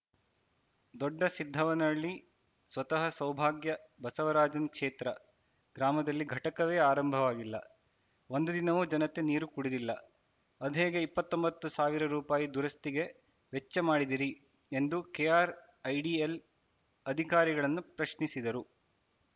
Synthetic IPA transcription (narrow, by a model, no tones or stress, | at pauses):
d̪ɔɖːɐsid̪ʱːɐʋɐnɐɭːi | sʋɐt̪ɐɦɐsɐwbʱaːɡjɐbɐsɐʋɐɾaːd͡ʒɐnkʂeːt̪ɾɐ̰ | ɡ̥ɾaːmɐd̪ɐlːiɡʱɐʈɐkɐʋe̞ːaːɾɐmbʱɐʋaːɡilːɐ̰ | o̞nd̪ud̪inɐʋuːd͡ʒɐnɐt̪e̞niːɾukuɽid̪ilːɐ̰ | ɐd̪ɦeːɡeipːɐt̪ːo̞mbɐt̪ːusaːʋiɾɐɾuːpaːjid̪uɾɐst̪iɡe̞ | ʋet͡ʃːɐmaːɽid̪iɾi | end̪ukeːjaːɾ | ɐjɖiel | ɐd̪ʱikaːɾiɡɐɭɐnːupɾɐʃnisid̪ɐɾu